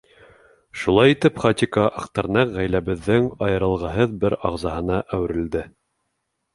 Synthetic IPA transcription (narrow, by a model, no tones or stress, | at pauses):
ʃulˠɑjit̪ɘpχɑt̪ʲikɑʔɑqt̪ɑɾnɑqʁæjlæβɘ̆ðːɘŋɑjɤ̆ɾɤ̆lˠʁɑɦɤðbɘɾɑʁzɑɦɤ̆nɑʔæw̆ɾɘ̆ld̪ɘ